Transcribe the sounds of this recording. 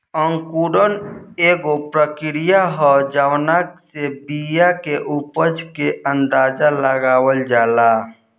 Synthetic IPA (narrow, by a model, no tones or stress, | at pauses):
ə̃ŋkuɖəneɡopɾəkɪɾijaɦɔd͡ʒaʋnaksebijakeʔupəd͡ʒkeʔənd̪aːd͡ʒaləɡaːwəld͡ʒaːla